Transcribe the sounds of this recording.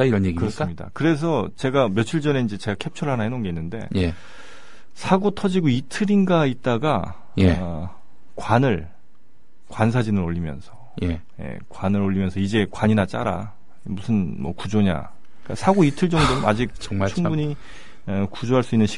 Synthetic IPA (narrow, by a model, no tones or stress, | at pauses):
iʌneɡikɯɾʌs͈mɲida̰kɯɾe̞s̬ʰʌt͡ɕe̞ɡamjʌt͡ɕʰiɭd͡ʑʌne̞ind͡ʑe̞t͡ɕe̞ɡakʰe̞p̚t͡ɕʰʌɾɭɦanaɦinonɡe̞inːɯnde̞̰je | sʰaɡotʰʌd͡ʑiɡoitʰɯɾinɡait̚t͈aɡa | je | kwanɯɭ | kwans̬ʰad͡ʑinɯɾoʎːimjʌ̰nsʰʌ | j | je̞̰kwanɯɾoʎːimjʌnsʰʌid͡ʑe̞kwaɲinat͡ɕ͈a̰ɾa̰ | musʰɯnmwʌ̰kud͡ʑoɲa̰ | k͈asʰaɡoitʰɯɭt͡ɕʌŋd͡ʑoma̰d͡ʑik̚at͡ɕʰuŋbuɲi | ʌkud͡ʑoɦaɭs͈uinːɯnɕʰi̥